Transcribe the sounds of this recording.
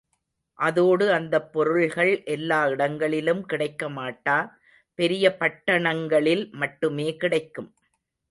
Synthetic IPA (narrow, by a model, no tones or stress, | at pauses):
ʔɐðoːɽɯɐnd̪ɐpːɔɾɯɭɣɐɭʔɛlːaːɪɽɐŋɡɐɭɪlɯmkɪɽɐɪkːɐmaːʈːaː | pɛɾɪjɐpɐʈːɐɳɐŋɡɐɭɪlmɐʈːɯmeːkɪɽɐɪkːɯm